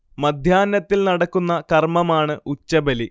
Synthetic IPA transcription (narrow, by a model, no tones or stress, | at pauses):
mɐd̪ʱjaːnːɐt̪ːilnɐɽɐkːunːɐkɐrmɐmaːɳɨut͡ɕːɐbɐli